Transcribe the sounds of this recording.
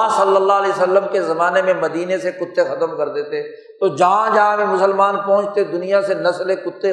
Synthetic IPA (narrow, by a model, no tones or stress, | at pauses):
sɐlːəlːalesəlːəmkezɐmaːnemẽməd̪iːnesekʊt̪ʰːexɐt̪əmkɐɾd̪eːt̪e | t̪od͡ʒɐɦãd͡ʒɐɦãbʱimʊsəlmaːnpɔ̃ɦʊ̃t͡ʃʰt̪ed̪ʊnijasenɐslekʊt̪ːe